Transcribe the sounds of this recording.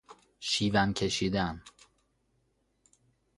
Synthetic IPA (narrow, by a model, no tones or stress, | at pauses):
ʃiːvæmcʰe̞ʃiːd̪æn